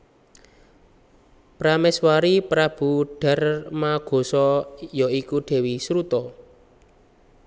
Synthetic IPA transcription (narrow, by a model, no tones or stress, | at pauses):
pɾamɛswaɾipɾab̥ṳɖ̥a̤rmaɡ̥o̤sɔjɔikuɖ̪̥e̤wisɾut̪ɔ